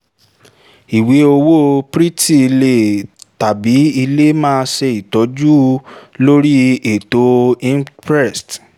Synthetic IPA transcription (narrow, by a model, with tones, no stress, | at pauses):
i˨we˨˦o˧wo˦pɾi˦ti˦˨˧le˦˨ta˨bi˨˦i˧le˦mãː˦˧ʃɛ˧i˨tɔ˨˦d͡ʒu˦lo˦ɾi˦e˨to˦ĩ˦mpɾɛ˦˨st